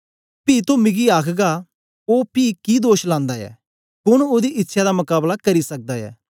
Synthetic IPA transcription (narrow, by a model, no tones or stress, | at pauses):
piːt̪õmɪɡiaːkʰɡaː | oːpiːkid̪oːʃlãːnd̪aɛ̰ː | kʊñoːd̪iʔɪtːʃʰad̪amʊkaːblakɐɾisɐk̚d̪aːɛ̰ː